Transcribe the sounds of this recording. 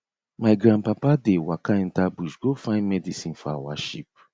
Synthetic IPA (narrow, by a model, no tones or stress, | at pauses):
maɪɡɾãnpapadewakaɛn̩tabuʃɡofãɪ̃nmɛdisĩnfawaʃip̚